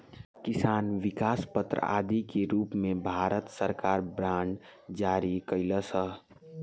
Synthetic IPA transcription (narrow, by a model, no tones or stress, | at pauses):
kɪsaːnʋɪkaːspət̪ɾə̰a̰ːd̪ikeɾuːpmẽbʱaːɾət̪səɾkaːɾbɾãːɳɖd͡ʒaːɾikəɪləsəɦ